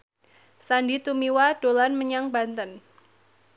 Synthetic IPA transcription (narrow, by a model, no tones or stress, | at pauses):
sandit̪umiwad̥olanməɲaŋbant̪ən